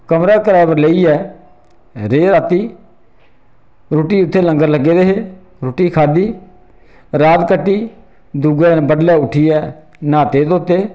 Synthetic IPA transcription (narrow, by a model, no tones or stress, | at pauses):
kəmɾaːkəɾaːbəɾleiːɛː | ɾeːɾaːt̪iː | ɾoːʈiːʊt̪ʰːeːlə̃ŋɡəɾləɡːeːd̪eːɦeː | ɾoːʈiːkʰaːd̪iː | ɾaːt̪kəʈːiː | d̪uːɡaːbəɖlɛːʊʈʰːiːɛː | nãːt̪eːt̪oːt̪eː